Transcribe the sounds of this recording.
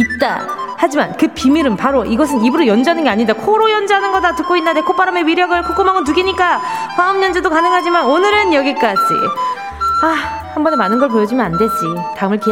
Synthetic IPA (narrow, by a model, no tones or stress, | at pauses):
it̚t͈a̰ | had͡ʑimankɯpimiɾɯnpaɾoʔiɡʌsʰɯnibuɾojʌnd͡ʑʌanɯnɡeaɲindakʰoɾojʌnd͡ʑanɯnɡʌdatɯk͈̚oinːandekʰop͈aɾamewiɾjʌɡɯɭkʰok͈omaŋɯɭtuɡiɲik͈akwaɯmɲʌnd͡ʑedokanɯŋɦad͡ʑimanonɯɾɯnjʌɡik͈ad͡ʑḭ | a | hambʌnemanɯnɡʌɭpojʌd͡ʑimjʌnande̞d͡ʑitaɯmɯɭke